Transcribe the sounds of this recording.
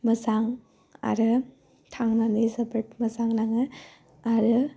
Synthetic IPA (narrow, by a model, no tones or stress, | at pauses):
mɯzaŋ | a̰ɾɯ | tʰaŋnanizabɯʈmɯzaŋnaŋɯ | aɾɯ